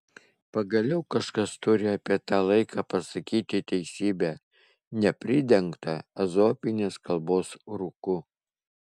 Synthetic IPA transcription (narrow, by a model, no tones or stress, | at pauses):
pɐɡɐlʲɛʊkɐʃkɐst̪ʊɾʲɪɑpʲiɛt̪ɑːlˠɐɪkɑːpɐsɐkʲiːt̪ʲɪt̪ʲɛɪsʲiːbʲæː | nʲɛpʲɾʲɪd̪ʲɛŋkt̪ɐɐzoːpʲɪnʲeːskɐlˠboːsɾʊkʊ